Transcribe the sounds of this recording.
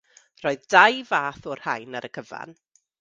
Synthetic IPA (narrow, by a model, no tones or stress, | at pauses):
r̥ɔɨðdajvaːθɔrhajnaɾəkʰəva̰n